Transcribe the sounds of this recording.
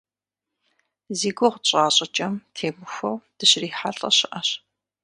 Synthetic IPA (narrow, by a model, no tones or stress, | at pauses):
ziːɡʷʊʁt͡ɕʼaːɕʼɐt͡ʃʼɐmtʰeːmɨxʷɔwd̥ɨɕriːħa̰ɬʼɐ̰ɕɪʔɐɕ